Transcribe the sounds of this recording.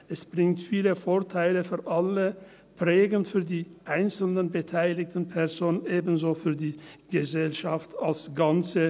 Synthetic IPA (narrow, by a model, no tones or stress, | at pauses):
ʔɛsb̥ʁɪŋtfiːləfoːɐtʰaɪləfyːɐʔalə | pʁɛːɡənfyːɐdiːʔaɪnt͡sl̩nənbətʰaɪlɪktn̩pʰɛʁzoːnənʔeːbn̩zoːfyːɐdiːɡ̥əzɛlʃaftalsɡ̥ant͡sə